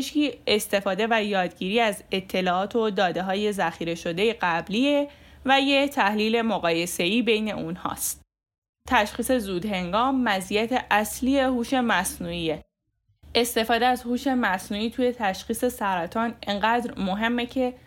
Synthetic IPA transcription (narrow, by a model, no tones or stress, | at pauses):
ʃciːest̪e̞fɒːd̪e̞væjɒːd̪ɟiːɾiːæze̞t̪ʰːe̞lɒːɒːt̪ʰod̪ɒːd̪e̞ɦɒːje̞zæxiːɾe̞ʃo̞d̪e̞jeɡæbliːevæjet̪ʰæhliːle̞moɣɒːje̞se̞iːbe̞jne̞̰ʔunhɒ̰ːst̪ | t̪ʰæʃxiːse̞zuːd̪he̞ŋɡɒːmːæzijæt̪ʰe̞ʔæslie̞huːʃe̞mæsnuːie | e̞st̪e̞fɒːd̪eæzhuːʃe̞mæsnuːiːt̪ʰuːje̞t̪ʰæʃχiːse̞sæɾæt̪ʰɒːneŋɢæːd̪ɾmoɦe̞mːe̞cʰe̞